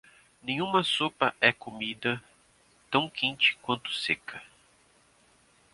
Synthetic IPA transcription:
nẽjɲ̃ũmɐsopɐʔɛkomid̪ɐ | t̪ɐ̃w̃kẽnt͡ʃɪ̥kwɐ̃nt̪ʊ̥sekɐ

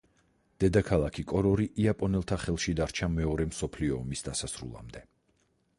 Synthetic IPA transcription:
d̪̥ɛd̪akʰalˠakʰikʼɔɾɔɾiʔiapʼɔnɛlˠt̪ʰaχɛlˠʃid̪aɾt͡ʃʰamɛɔɾɛmsɔpʰliɔːmisd̪asasɾṵlˠa̰md̪ɛ

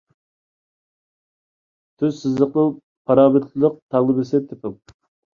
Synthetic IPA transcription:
t̪ʰyz̥sɪzlˠəqnɨŋ | pʰɑɾɑːmɪɾt̪ʰɨlˠəq̚t̪ʰɑʁlˠɨbɪsɪt̪ʰɪpʰɪm

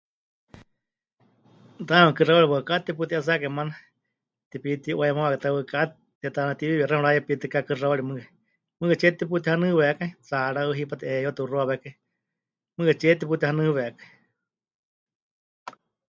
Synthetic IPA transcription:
t̪amɨkɨrawaɾiwəkat̪ip̬ut̪iʔas̬akamana | t̪ipit̪iʔoɛmaβakat̪awəka | t̪iat̪anat̪iβiβiɛɾɛhɔ̃ɺajɛpit̪ikakɨraaɺimɨ | mɨɛt͡ʃɛt̪ip̬ut̪ihanɨβɛkait͡saɺaɨɦipat̪iʔejat̪iuroaβɛkai | mɨɛt͡ʃɛt̪ip̬ut̪ihanɨ̃βɛʔkai

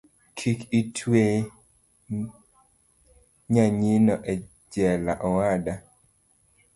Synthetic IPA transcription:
kʰikitʰwe | ɲaɲinɔʔɛ | d͡ʒɛlaʔɔwada

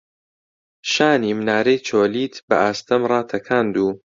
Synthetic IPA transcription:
ʃaːnimnaːɾejt͡ʃʰoːliːt̪bɐ̰ʔaːst̪ʰɐmrˤɑːt̪ʰɐkʰaːnd̪uː

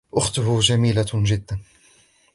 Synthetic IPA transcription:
ʔʊxt̪ʊɦʊd͡ʒamiːlaʒɪd̪ːan

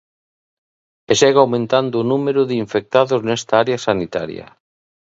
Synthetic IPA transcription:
eʃeɣawmẽnt̪and̪oːnumeɾʊðeiɱfek̚t̪aðoznɛst̪aaɾeasanit̪a̰ɾjɐ̰

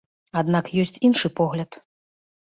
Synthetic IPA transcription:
ad̪nakjɔsʲt͡sʲinʂɨpɔɣlʲɐt̪

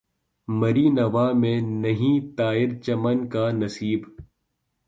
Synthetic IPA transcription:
mɐɾiːnɐʋaːmẽnɐɦĩt̪aːɪɾt͡ʃɐmənkaːnɐsiːb

